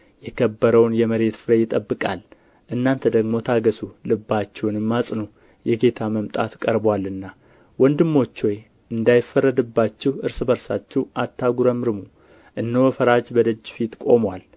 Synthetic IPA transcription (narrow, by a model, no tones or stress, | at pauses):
jɛkʰəbːəɾəwnjɛməɾe̞t̪fɨɾəjɪt̪ʼəbːɨkʼal | ʔɨnːant̪ʰəd̪əɡmo̞t̪ʰaɡəsulɨbːat͡ʃːɛwnɨmːasʼnu | jɛɡe̞t̪ʰaməmt̪ʼat̪kʼəɾbwalɨnːa | wɔnd̪ɨmːo̞t͡ʃːwoj | ɨnd̪ajɪfːərːəd̪ɨbːat͡ʃːɛwɨɾsɨbəɾsa̰t͡ʃːɛwʔat̪ʰːaɡuɾəmɨɾɨmu | ʔɨnːəwfəɾad͡ʒbəd̪əd͡ʒːfit̪kʼo̞mwal